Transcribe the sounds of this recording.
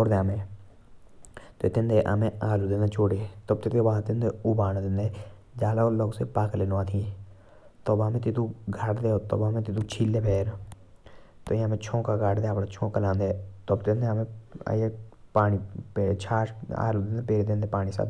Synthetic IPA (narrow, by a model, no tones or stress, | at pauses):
oːɾd̪eamẽː | t̪ot̪ɪnd̪eʔa̰mẽaːluːd̪ɪnd̪et͡ʃʰoːɽet̪ob̚t̪ɪt̪eat̪ɪnd̪euːbaːnd̪ɪnd̪e | d͡ʒaːlaoloːɡsepaːklenoaːt̪ʰĩ | t̪ɔːbaːmẽt̪ɪt̪ũɡʱaʈd̪eːot̪o̰ːbaːmẽt̪ɪt̪ut͡ʃʰiːlːeːpeːɾ | t̪oĩamẽt͡ʃʰõːkaɡaːʈd̪eaːpɽat͡ʃʰõːkalãːnd̪eːt̪obt̪ɪnd̪emḛ̃jepaːnipet͡ʃʰaːʃa̰ːlud̪ɪnd̪epeːɾet̪ɪ̃nd̪epaːnisa̰ː